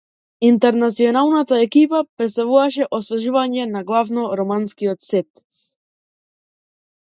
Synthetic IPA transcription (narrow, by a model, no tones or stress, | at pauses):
int̪ɛɾnat̪siɔnalˠnat̪aɛkipapɾɛt̪st̪avuvaʃɛʔɔsvɛʒuvaɲɛnaɡlˠavnɔɾɔmanskiɔt̪sɛt̪